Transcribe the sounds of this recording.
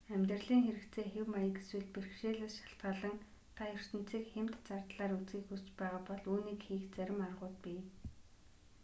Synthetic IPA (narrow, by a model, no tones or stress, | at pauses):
æmʲt̪̆rɮiːŋxeɾɘ̆kt͡sʰeːxewmajə̆ɡeswɘ̆ɮperxʃeːɮə̆ʃḁɬt̪ɢə̆ɮə̆ŋ | t̪ʰajɵr̥sɘ̆n̥t͡siːkxemt̪t͡sart̪ɮaːɾut͡sɡiːxust͡ɕpæːʁaːpɔɮuːniːkxiːkt͡sæɾʲɪ̆marʁʊːt̪̚piː